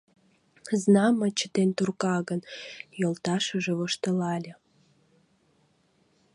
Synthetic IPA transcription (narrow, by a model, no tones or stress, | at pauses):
znɑmət͡ɕəd̪ent̪urkɑɣənjolt̪ɑʃəʒĕβoʃt̪əlɑlʲĕ